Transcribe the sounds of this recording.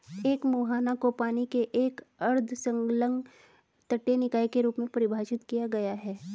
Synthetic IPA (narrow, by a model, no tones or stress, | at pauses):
eːkmuːɦaːnakopaːnikeʔeːkɐɾd̪ʱsɐ̃ŋɡlə̃ŋɡ | t̪ɐʈːenɪkaːikeɾuːpmẽpɐɾɪbʱaːd͡ʒɪt̪kijaɡɐjaɦɛː